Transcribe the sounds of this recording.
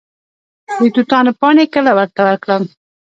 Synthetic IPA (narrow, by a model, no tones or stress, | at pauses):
wit̪ut̪ɑnəpɑnekəlawəɾt̪awəɾkɽəm